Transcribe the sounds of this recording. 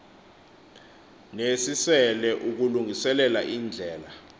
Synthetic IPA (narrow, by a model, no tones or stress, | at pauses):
nesisɛlɛʔuk̬uluŋʱisɛlɛla̰ʔiːnd͡ɮʱɛːla